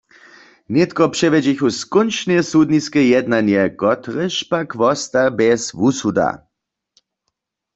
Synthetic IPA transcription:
nɛt̪kɔpʂɛvɛd͡ʑiçuskɔnt͡ʃnɛsud̪niskɛjɛd̪nanjɛkɔt̪ʁəʃpakvɔst̪abɛsvusud̪a̰

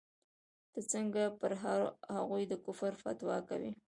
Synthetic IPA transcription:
d̪̥ət͡səŋɡapəɾɦahaɣujd̪əkʊfəɾfa̰t̪wɑka̰wḭ

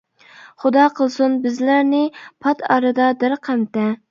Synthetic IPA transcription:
χʊd̪ɑqʰəlˠsunbɪzlæɾnɪpʰɑt̪ʰɑɾɨd̪ɑd̪ɪɾqʰæmt̪ɛ

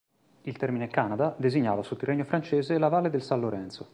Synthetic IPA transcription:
ilt̪ɛrminekanad̪ad̪eziɲːaːvasut̪ːirːeɲːofɾant͡ʃeːzelavaːlːed̪elsanloɾɛnt̪so

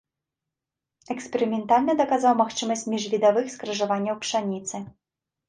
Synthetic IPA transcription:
ɛkspʲɛɾɨmʲɛnt̪alʲnɨd̪ɐkazawmaxt͡ʂɨmɐsʲmʲiʐvʲid̪avɨxskɾɐʐavanʲːɐwpʂanʲit̪sɨ

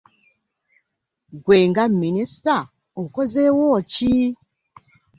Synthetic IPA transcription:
ɡweŋɡaminista | okɔzewɔt͡ʃi

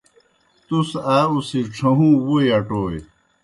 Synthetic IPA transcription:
t̪usaːusiʈ͡ʂʰɐɦũwujɐʈoːj

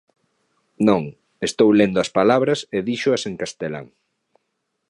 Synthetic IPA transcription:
nõŋ | est̪owlend̪ʊɐspalaβɾɐseðiʃʊɐseŋkast̪ela̰ŋ

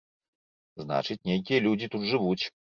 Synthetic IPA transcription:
zna̰t͡ʂɨt͡sʲnʲejk̬ʲijɐlʲud͡zʲit̪ut̪ʐɨvut͡sʲ

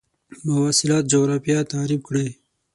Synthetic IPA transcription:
mɐwaːsilaːt̪̚d͡ʒoɾaːpijat̪aːɾib̚kɽe

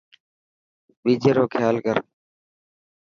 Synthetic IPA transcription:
ɓiːd͡ʒeːɾoːkʰjaːlkəɾ

